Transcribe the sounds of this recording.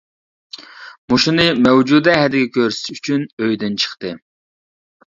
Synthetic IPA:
muʃunɨmɛwd͡ʒud̪ɛɦɛd̪ɪɡʲɛkʲʰøɾsyt͡ʃʰynøjd̪ɪnt͡ʃʰə̥χt̪ɨ

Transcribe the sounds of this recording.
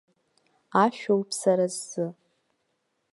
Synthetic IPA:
aʃᶣowpʰsaɾazːɨ

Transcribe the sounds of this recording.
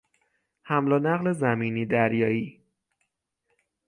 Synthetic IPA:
hæmlɒːnæɣle̞zæmiːniːd̪æɾjɒːiː

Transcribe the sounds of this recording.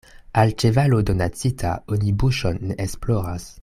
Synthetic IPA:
alt͡ʃevalodonat͡sitʰa̰onibuʃonːeʔesploʁas

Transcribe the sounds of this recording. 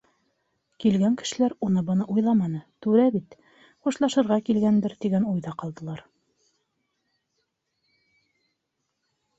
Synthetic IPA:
kilɡæŋkɘ̥̆ʃɘ̆læɾunɤbɤ̆nɤʔujlˠɑmɑnɤt̪ʉɾæbit̪ | χuʃlˠɑʃɤ̆ɾʁɑkilɡænd̪ɘɾt̪iɡænujðɑqɑlˠd̪ɤ̆lˠɑɾ

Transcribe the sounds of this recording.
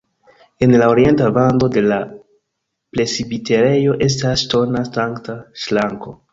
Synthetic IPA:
e̞nlao̞ɾie̞ntabando̞de̞la | ple̞sibite̞ɾe̞jo̞ʔe̞s̬tasːto̞nasaŋktaʃlaŋko̞

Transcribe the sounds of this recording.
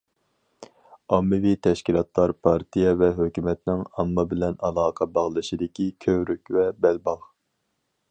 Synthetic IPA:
ɑmːɨvit̪ʰɛʃkʲilˠɑt̪lˠɑɾpʰɑɾt̪ijɛvɛɦøkʲymɛt̪nɪŋɑmːɨbɪlɛnɑlˠɑːqʰɑbɑʁlˠɨʃid̪ɪkʲikʲʰøwɾykʲvɛbɛlbɑʁ

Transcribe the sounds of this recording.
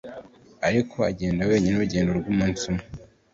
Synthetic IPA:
aɾikʰo̞aɟe̞ːndawe̞ːɲinuɾuɟe̞ːndoɾɡuːmuːnsuma

